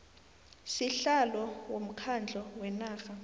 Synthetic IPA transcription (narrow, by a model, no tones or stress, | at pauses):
siɬalɔwom̩kʰand͡ɮʱɔwɛnaːxa